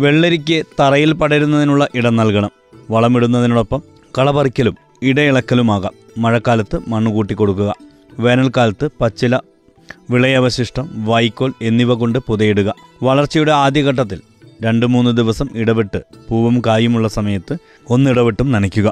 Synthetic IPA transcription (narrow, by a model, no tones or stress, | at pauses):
ʋe̞ɭːeɾikʲːet̪ɐrɐjilpɐɽɐɾunːɐðinuɭːɐʔiɽɐnːɐlkɐɳɐm | ʋɐɭɐmiɽunːɐðinuɽo̞pːɐm | kɐɭɐbɐrikʲːɐlum | iɽɐiɭɐkːɐlumaːɣɐ̰ | mɐɻɐkːaːlɐt̪ːɨmɐɳːukuːʈːikːo̞ɽuk̬ːuɣɐ | ʋe̞ːnɐlkaːlɐt̪ːɨpɐt͡ɕːilɐ | ʋiɭɐjɐʋɐɕiʂʈɐmʋɐjkːoːle̞nːiʋɐɣo̞ɳɖɨpuðɐjeɽuɣɐʋɐɭɐrt͡ɕːɐjuɽeaːd̪jɐɣɐʈ̬ːɐt̪̬ːil | ɾe̞ɳɖɨmuːnːɨd̪iʋɐsɐmiɽɐʋiʈːɨpuːʋɐmkaːjumuɭːɐsɐmɐjɐt̪ːɨ | o̞nːiɽɐʋiʈːumnɐnɐkʲːuɣɐ